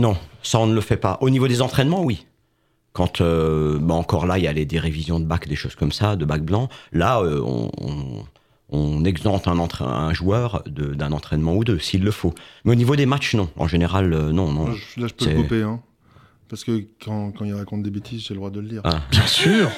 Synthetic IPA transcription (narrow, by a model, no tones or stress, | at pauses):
nɔ̃saɔ̃nləfɛpaʔonivod̪ezɑ̃t̪χɛnmɑ̃wi | kɑ̃t̪ʰøbaɑ̃kɔʁlailjaled̪eʁevizjɔ̃d̪əbakd̪eʃoz̥kɔmsad̪əbak̚blɑ̃laøɔ̰̃ɔ̰̃ | ɔ̃nɛɡzɑ̃t̪ɛ̃nɑ̃t̪χɛɛ̰̃ʒuœʁd̪əd̪ɛ̃nɑ̃t̪χɛnmɑ̃ud̪øsiːlːəfomɛonivod̪emat͡ʃnɔ̃ɑ̰̃ʒeneʁalønɔ̃nɔ̃ʒlaʒə̥psøsɛupeɛ̃ | paʁskəkʰɑ̃kɑ̃ilʁakɔ̃t̪̚d̪ebet̪ʰizʒɛld̪wad̪ələliːʁabjɛ̃syːʁ